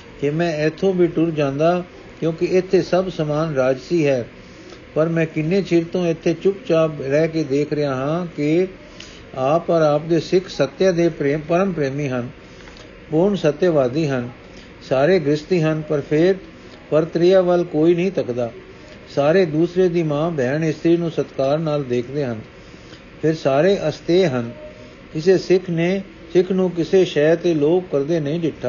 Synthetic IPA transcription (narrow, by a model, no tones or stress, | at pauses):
kemɛ̃ːɪt̪ʰːõːbʱiːʈʊɾd͡ʒãːnd̪aː | kjõːkɪɪt̪ʰːeːsəbsəmaːnɾaːd͡ʒsiːɦɛː | pəɾmɛ̃ːkɪnːeːt͡ʃɪɾt̪õːɪt̪ʰːeːt͡ʃʊkt͡ʃaːbɾɛːkeːd̪eːkʰɾəɪjaːɦãːkɪ | aːpəɾaːp̚d̪eːsɪkʰsət̪ːjaːd̪eːpɾeːpəɾəmpɾeːmiːɦən | pʊɾɳsət̪ːjʋaːd̪iːɦən | saːɾeːɡɾɪst̪iːɦənpəɾpʰɪɾ | pəɾt̪ɾɪjaːʋəlkoːiːnəɦĩːt̪əkd̪aː | saːɾeːd̪uːsɾeːd̪iːmãːbɛːɳɪst̪ʰɾiːnũːsət̪kaːɾnaːld̪eːkʰd̪eːɦən | pʰɪɾsaːɾeːʔəst̪eːɦən | kɪseːsɪkʰneː | sɪkʰnũːk̬ɪseːʃɛːt̪eːloːbkəɾd̪eːnəĩːd͡ʒɪʈʰːaː